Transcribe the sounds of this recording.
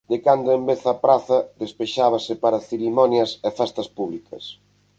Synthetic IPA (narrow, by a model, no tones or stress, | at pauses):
d̪ekand̪ʊembeθɐpɾaθɐðespeʃaβ̞ɐsɪpaɾɐθeɾimɔnjɐsefɛst̪ɐspuβ̞likʰɐ̰s